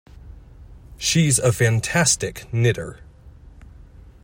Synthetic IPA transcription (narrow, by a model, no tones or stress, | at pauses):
ʃizəfæ̃ntʰæstɪknɪɾə̰˞